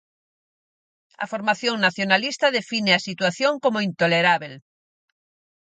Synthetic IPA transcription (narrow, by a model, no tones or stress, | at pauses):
ɐ̰foɾmaθjoŋnaθjonalist̪ɐðefinɪɐsit̪waθjoŋkomʊint̪oleɾaβel